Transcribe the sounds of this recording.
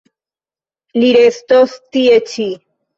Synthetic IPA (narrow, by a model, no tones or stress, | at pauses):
liɾest̪ost̪iet͡ʃi